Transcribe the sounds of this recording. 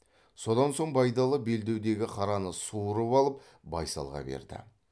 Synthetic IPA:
so̞d̪ɑnso̞ɴbɑjd̪ɑlˠəbe̞ld̪e̞wd̪e̞ɡʲɪqʰɑɾɑnəsuɾəpɑlˠəp̚ | bɑjsɑ̰lˠʁɑ̰bḛɾd̪ɪ̰

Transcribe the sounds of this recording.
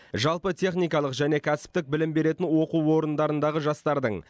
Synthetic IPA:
ʒɑlˠpət̪ʲʰe̞χnijkɑlˠəqʒæne̞kʲʰæsɪ̥p̚t̪ɪk̚bɪlɪmbe̞ɾe̞t̪ɪnwo̞quwwo̞ɾənd̪ɑɾənd̪ɑʁəʒɑst̪ɑɾd̪əɴ

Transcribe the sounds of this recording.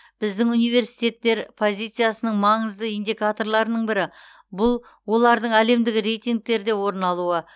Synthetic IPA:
b̥ɪzd̪ɪŋunijve̞ɾsi̥jt̪e̞t̪ːe̞ɾpʰo̞zʲijt̪sɨjasənəɴmɑɴəzd̪əijnd̪ijkat̪o̞ɾlˠɑɾnəɴbɪɾɪ | bʊlˠ | wo̞lˠɑɾd̪əɴæle̞md̪ɪɡʲɪɾe̞jt̪ijŋk̚t̪e̞ɾd̪ewo̞ɾnɑlˠuə

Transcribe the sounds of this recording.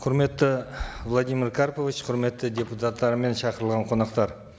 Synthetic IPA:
qʰʊɾme̞t̪ːɪvlˠad̪ijmʲiɾkʰaɾpovit͡ʃqʰʊɾme̞t̪ːɪd̪ʲe̞put̪at̪ːɑɾəme̞nʃɑqəɾəlˠʁɑɴqʰo̞nɑqt̪ɑɾ

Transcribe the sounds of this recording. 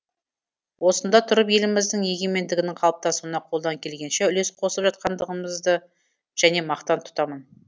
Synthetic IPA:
wʔo̞sənd̪ɑt̪ʰʊɾəpje̞lɪmɪzd̪ɪŋje̞ɡʲe̞me̞nd̪ɪɡʲɪnɪŋqʰɑlˠp̚t̪ɑsuwənɑqʰolˠd̪ɑŋkʲʰe̞lɡʲe̞nʃeʏle̞sqʰo̞səpʒɑt̪̚qɑnd̪əʁəməzd̪ə | ʒ̥æne̞mɑqt̪ɑnt̪ʰʊ̥t̪ɑmən

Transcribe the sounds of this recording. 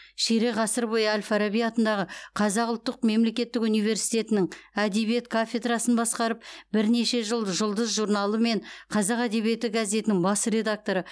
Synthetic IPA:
ʃeɾe̞ʁɑsəɾbojəælʲfaɾabijɑt̪ənd̪ɑʁəqʰɑzɑqʊlˠt̪ːəq̚me̞mle̞kʲe̞t̪ːɪkunijve̞ɾsi̥jt̪e̞t̪ɪnɪŋæd̪eβijet̪kʰafʲe̞d̪rɑsənbɑsqɑɾəp̚bɪɾne̞ʃe̞ʒəlˠəʒʊlˠd̪əzʒurnɑlˠəme̞ɴqʰɑzɑqæd̪e̞βije̞t̪ɪɡaze̞t̪ɪnɪŋbɑsəɾe̞d̪ak̚t̪o̞ɾə

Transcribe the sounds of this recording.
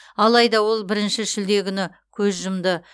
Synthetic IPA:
ɑlˠɑjd̪ɑwo̞lˠbɪɾɪnʃɪʒɪld̪e̞kʲʰʏnɪ | kʲʰɵzʒʊmd̪ə

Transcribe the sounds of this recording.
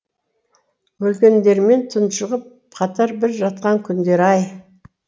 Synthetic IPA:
wɵlkʲe̞nd̪e̞ɾme̞nt̪ʰʊnʃəʁəp̚ | qʰɑt̪ɑɾbɪɾʒɑt̪̚qɑŋkʲʰʏnd̪e̞ɾɑj

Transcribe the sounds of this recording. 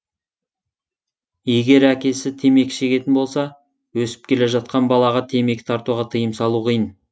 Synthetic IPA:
je̞ɡʲe̞ɾækʲe̞sɪt̪ʰe̞me̞kʲʃe̞kʲe̞t̪ɪnbo̞lˠsɑ | wɵsɪ̥p̚kʲʰe̞le̞ʒɑt̪̚qɑnbɑlˠɑʁɑt̪ʰe̞me̞kʲt̪ʰɑɾt̪uʁɑt̪ʰəjəmsɑlˠuqʰəjən

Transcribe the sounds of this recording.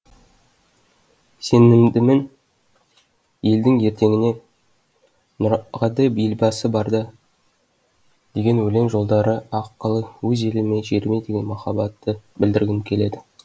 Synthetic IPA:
se̞nɪmd̪ɪmen | je̞ld̪ɪŋje̞ɾt̪e̞ŋʲɪne̞ | nʊɾʁɑd̪ebijɪlbɑsəbɑɾd̪ə | d̪̥e̞ɡʲe̞nwɵle̞mʒo̞lˠd̪ɑɾəɑqːəlˠəwɵze̞lɪme̞ʒe̞ɾme̞d̪eɡʲe̞nmɑχɑbɑt̪ːəbɪld̪ɪɾɡʲɪmkʲʰe̞le̞d̪ɪ

